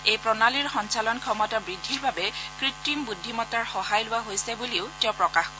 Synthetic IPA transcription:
ejpɹɔnaliɹxɔnsalɔnkʰɔmɔtabɹidʱːiɹbabɛkɹitːimbudʱːimɔtaɹxɔhajlʊwaɦojsɛbuliʊtɛʊpɹɔkaxɔ

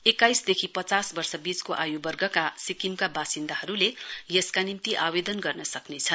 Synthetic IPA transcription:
ekajsd̪ekʰipʌt͡sasbʌrsʌbit͡skoʔajubʌrɡʌkasikimkabasind̪aɦʌɾulejʌskanimt̪iʔabed̪ʌnɡʌrnʌsʌknet͡sʰʌn

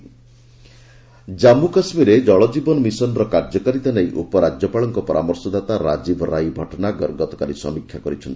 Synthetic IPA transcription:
d͡ʒamukasmiɾed͡ʒɔɭɔd͡ʒibɔnɔmisɔnɔɾɔkaɾd͡ʒɔkaɾit̪anajʔupɔɾad͡ʒjɔpaɭɔŋkɔpɔɾamɔɾsɔd̪at̪aɾa̰d͡ʒibʱɔɾajbʱɔʈɔnaɡɔɾɡɔt̪ɔ̥kaɾisɔ̰mikʰːjakɔɾit͡ʃʰɔnt̪ʰi̥

